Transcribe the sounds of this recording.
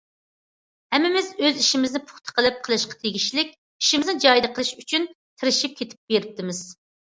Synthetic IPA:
hɛmːɪmɪzøziʃimɪznɪpʰʊ̥χt̪ʰə̥qʰəlˠɨp̚qʰəlˠɨʃqɑ̥t̪ʰeɡʲiʃlɪk̚ʲ | iʃimɪznɪd͡ʒɑjd̪ɨqʰəlˠʃyt͡ʃʰyn | t̪ʰɪɾɪʃip̚kʲʰet̪ʰɪ̥p̚b̥eɾɪp̚t̪ʰɪmɪz̥

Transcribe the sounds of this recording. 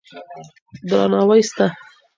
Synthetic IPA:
d̪ɾɑ̰nɑwajst̪a

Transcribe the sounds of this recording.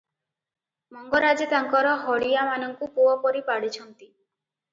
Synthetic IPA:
mɔŋɡɔɾad͡ʒet̪aŋkɔɾɔɦɔɽiamanɔŋkupuɔpɔɾipaɽit͡ʃʰɔnt̪i

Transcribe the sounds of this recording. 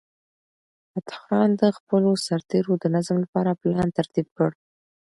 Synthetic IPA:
at̪xɾɑnd̪əxpəlosaɾt̪eɾod̪ənazmlapɑɾaplɑnt̪aɾt̪ib̚kəɽ

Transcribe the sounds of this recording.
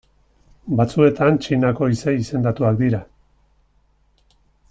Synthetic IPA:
bat͡sue̞t̪ant͡ʃinako̞ise̞ise̞nd̪at̪uak̚d̪iɾa

